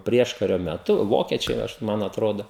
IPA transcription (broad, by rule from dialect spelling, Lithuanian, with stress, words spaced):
ˈpʲrʲiɛʃkɐrʲoː mʲɛˈtʊ ˈʋoːkʲiɛt͡ʃʲɛɪ ˈɐʃ ˈmɐn ɐtˈroːdoː